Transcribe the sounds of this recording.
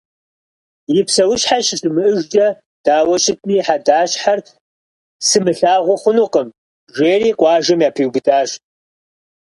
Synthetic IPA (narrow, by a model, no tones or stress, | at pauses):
jɪpsɐwʊɕħaɕɕɨmɨʔɨʒd͡ʒɐ | d̥aːwɐɕʼɪtʰniːħadaːɕħar | sɨmɨɬaːʁʷʊχʷʊnuqəm | ʒeːriːqʷʼɑːʒɐmjaːpʰiwbɨtʰʼaːɕ